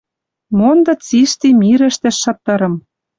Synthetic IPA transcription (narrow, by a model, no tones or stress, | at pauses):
mond̪ɤ̆t͡siʃt̪imʲiɾɘ̆ʃt̪ɘ̆ʃːɤ̆t̪ːɤ̆ɾɤ̆m